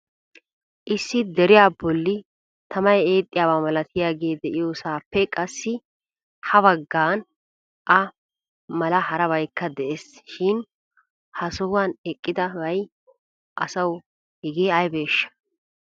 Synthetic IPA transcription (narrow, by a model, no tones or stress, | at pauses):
ʔɪsːɪd̪ɛɾɪjaːbɔlːɪ | t̪ʰɐmɐje̞ːt̪ʼːɪjaːβaːmɐlɐt̪ʰɪjaːɡe̞ːd̪ɛʔɪjoːsaːpːɛkʼɐsːɪ | hɐβɐɡːaːn | ʔɐ | mɐlɐhɐɾɐβɐjkːɐd̪ɛʔesʃɪn | hɐsʊwaːnɛkʼːɪd̪ɐwɐj | ʔɐsɐw | hɛɡeːɐjbe̞ːʃːɐ̥